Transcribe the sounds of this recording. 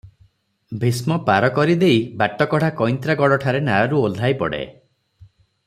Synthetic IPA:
bʱismɔpaɾɔkɔɾid̪ejbaʈɔkɔɽ̤akɔjnt̪ɾaɡɔɽɔʈʰaɾenaɾɔɾuolʱajpɔɽḛ

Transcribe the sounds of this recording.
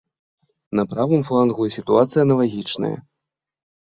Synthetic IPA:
nɐpɾavɨmflˠanɣujɛsʲit̪uat̪sɨjɐnɐlˠaɣʲit͡ʂnɐ̰jɐ̰

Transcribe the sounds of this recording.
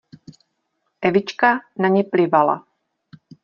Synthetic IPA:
ʔɛvɪt͡ʃkanaɲɛplɪvala̰

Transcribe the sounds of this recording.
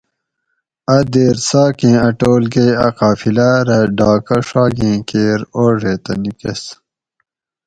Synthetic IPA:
ɐd̪eːɾsaːkẽːɐʈoːlɡeːɐqaːfilɐɾɐɖaːkɐʂaːɡẽːkeːɾoːʐet̪ɐnikes

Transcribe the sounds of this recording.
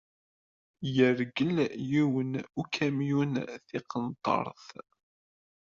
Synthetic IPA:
jəɾɡəljiwənukʰæmjunθiqənt̪ˤːɑ̰ɾˤθ

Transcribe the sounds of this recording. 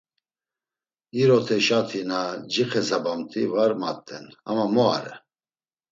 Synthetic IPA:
iɾɔt̪ʰɛʃat̪ʰinad͡ʒiχɛzabamt̪ʰivaɾma̰t̪ʼːɛna̰mamɔa̰ɾɛ

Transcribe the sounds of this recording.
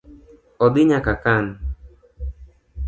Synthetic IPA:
ɔd̪iɲakakan

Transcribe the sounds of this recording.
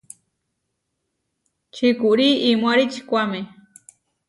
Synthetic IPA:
t͡ʃikuɾiʔimwaɾit͡ʃi̥kʷame

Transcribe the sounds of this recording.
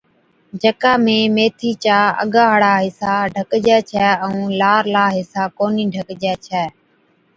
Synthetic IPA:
d͡ʒəkaːmẽːmeːt̪ʰiːt͡ʃaːə̰ɠaːɦəɽaːɦɪsaːɖʱəkd͡ʒɛːt͡ʃʰɛːəũːlaːɾlaːɦɪsaːkoːniːɖʱəkd͡ʒɛːt͡ʃʰɛː

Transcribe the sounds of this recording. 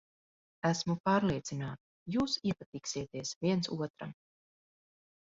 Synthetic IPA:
æsmupaːɾlˠiɛt̪sinaːt̪ | juːsiɛpat̪iːksiɛt̪iɛsviɛnsuɔt̪ɾa̰m

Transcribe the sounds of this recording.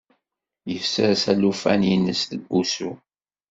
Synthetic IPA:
jəfsəɾsælufæninəsθəbusṵ

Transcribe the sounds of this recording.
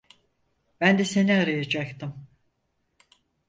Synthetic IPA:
bænd̪ɛse̞niaɾajad͡ʒakt̪ʰɯm

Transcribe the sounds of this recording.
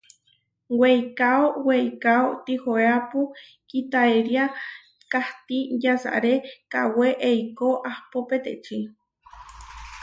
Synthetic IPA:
wejkaowejkaot̪ihoeapu | kit̪aeɾia | kaht̪ijasa̰ʔɾeka̰weʔejkoʔahpopet̪eʔt͡ʃi

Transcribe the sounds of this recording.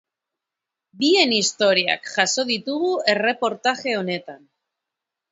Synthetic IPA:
bie̞nist̪o̞ɾia̰kʝaso̞ð̞it̪uɣue̞re̞po̞ɾt̪axe̞o̞ne̞t̪an

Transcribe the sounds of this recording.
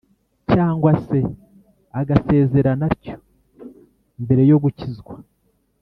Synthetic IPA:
caːŋɡwase̞ | aɡase̞ːze̞ɾanaɾco̞̥ | mbe̞ɾe̞jo̞ɡucizɡwa

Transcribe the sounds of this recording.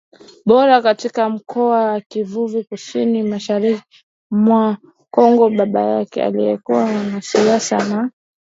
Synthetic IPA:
ɓɔɾakatikam̩kʰɔawakivuvikusinimaʃaɾiki | mwa | kɔŋɡɔɓaɓa̰jakɛ̰a̰lijɛkuwamanasiasa̰na

